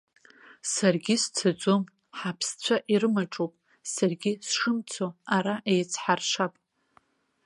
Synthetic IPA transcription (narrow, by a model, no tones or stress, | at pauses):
sarɡʲɪst͡sʰad͡zom | ħapʰst͡sʷʰaʔiɾɨmaʈ͡ʂʼopʼ | sarɡʲɪsʂɨmt͡sʰoaɾaʔejt͡sʰħarʂʷapʼ